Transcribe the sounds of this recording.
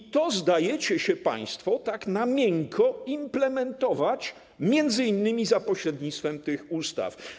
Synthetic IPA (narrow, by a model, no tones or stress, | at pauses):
t̪ɔzd̪ajɛt͡ɕɛɕɛpa̰j̃st̪fɔt̪aknamʲjɛŋkʰɔimplɛmɛnt̪ɔvat͡ɕ | mʲjɛnd̪zɘinːɘmʲizapɔɕɾɛd̪ɲit̪st̪fɛmt̪ɪxust̪a̰f